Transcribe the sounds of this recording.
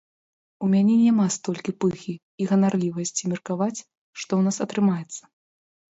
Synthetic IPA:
umʲanʲɛnʲamast̪ɔlʲkʲipɨxʲiːɣɐnarlʲivɐsʲt͡sʲimʲɛrkavat͡sʲ | ʂt̪ɔwnasɐt̪ɾɨmajɛt̪sːɐ̥

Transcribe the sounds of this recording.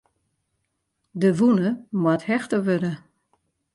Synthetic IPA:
dəʋunəmwathɛxtəʋødə

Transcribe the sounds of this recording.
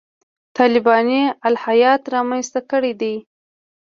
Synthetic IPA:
t̪ɑlɪbɑnialhajɑt̪ɾɑmanst̪akəɽed̪ej

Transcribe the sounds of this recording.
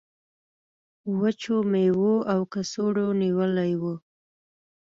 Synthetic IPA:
wət͡ʃomewoawkasoɽoniwəlajwu

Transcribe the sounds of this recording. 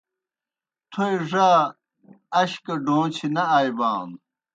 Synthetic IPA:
t̪ʰojʐaː | ɐɕkɐɖoːt͡ɕʰinɐaːjbaːn

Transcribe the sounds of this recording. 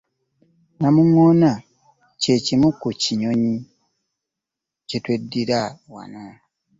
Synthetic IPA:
namuŋona | ce̞cimukuciɲoɲi | cetwe̞dːiɾawa̰na

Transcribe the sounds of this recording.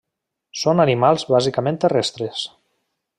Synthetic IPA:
sonanimalˠzβazikamẽnt̪erɛst̪ɾes

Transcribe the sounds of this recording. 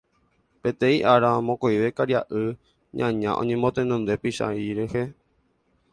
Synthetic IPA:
pẽ̞t̪ẽiʔaɾamõkojʋe̞kaɾjaʔɨ | ɲã̰ɲã̰ʔõ̰ɲẽmbot̪ẽnõnd̪e̞piʃa̰iɾehe

